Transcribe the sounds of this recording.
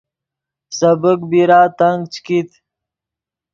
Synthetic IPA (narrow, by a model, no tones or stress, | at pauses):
səbək̚biɾaːt̪aŋɡ̚t͡ɕkit̪